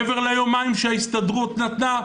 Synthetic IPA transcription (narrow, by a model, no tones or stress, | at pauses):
veʁlajomaimʃeaist̪ad̪ʁut̪nat̪na